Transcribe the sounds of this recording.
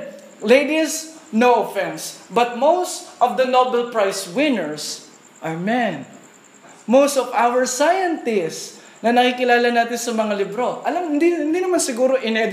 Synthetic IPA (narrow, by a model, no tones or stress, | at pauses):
lejd̪isnoofɛnsbɐt̪̚mowst̪ɔvd̪ɐnobɛlpɹajswɪ̃nɛɹs | ʔamɛn | mowst̪ɔvawəɹsajɐnt̪ɪs | nɐnɐkikɪlaːlɐnaːt̪ɪnsɐmɐŋalɪbɾo̞ʔɐlamɪd̪ihɪ̃nd̪inɐmansɪɡuːɾoʔɪnɛd̪